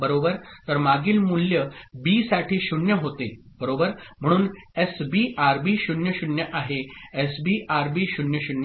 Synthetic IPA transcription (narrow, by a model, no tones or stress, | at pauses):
bəɾobəɾt̪əɾmaɡiːlmuljəbiːsaʈʰiːɕuɳjəɦot̪e | bəɾobəɾm̤əɽ̃uːnesbiʔaɾbiːɕuɳjəɕuɳjəʔaɦeesbiʔaɾbiːɕunjəɕunjə